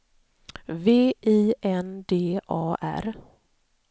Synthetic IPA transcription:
veːʔiːʔɛnd̪eːʔɑːʔæ̰ɾ

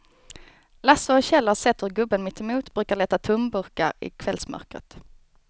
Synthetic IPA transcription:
lasəɔɕɛlːəsɛt̪ːhɵɾɡɵbːənmɪt̪ʰːɛmuːt̪bɾʉːkaʁɭɛːt̪ːat̪ʰʊmbɵɾka̰ɾɪ̰kʰvɛlsmœ̰ɾkɾə̰t̪

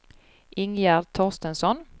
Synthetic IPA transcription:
ʔɪŋjæd̪t̪ʰɔst̪ənsɔn

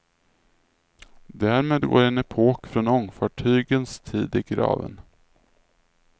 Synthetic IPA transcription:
d̪æɾmeːd̪ɡo̰ːɾɛnɛpʰoːkfɾɔnɔŋfɑːʈʰyːɡənst̪ʰiːd̪ɪɡɾɑ̰ːvə̰n

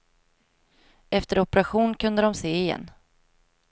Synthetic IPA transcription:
ʔɛft̪əɾɔpɛɾaɧuːnkʰɵnd̪əd̪ɔmseːɪjɛ̰nː

